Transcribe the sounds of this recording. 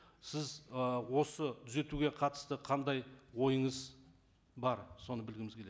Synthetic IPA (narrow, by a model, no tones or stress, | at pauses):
sɪzwo̞sət̪ʰʏze̞t̪uɡʲe̞qʰɑt̪ə̥st̪əqʰɑnd̪ɑjwo̞jəɴəz | bɑɾso̞nəbɪlɡʲɪmɪzkʰʲele